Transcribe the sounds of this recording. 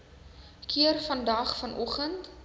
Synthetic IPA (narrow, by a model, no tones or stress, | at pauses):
kʰiərfɐndɐχfɐnʔɔχənt